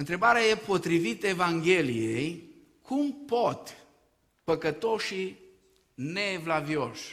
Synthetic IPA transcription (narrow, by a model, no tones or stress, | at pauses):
ɨnt̪ɾe̞baɾeaje̞po̞t̪ɾivit̪əe̞vaŋɡʲe̞lijej | kʰumpot̪ | pəkət̪o̞ʃi | ne̞vlavio̞ʃ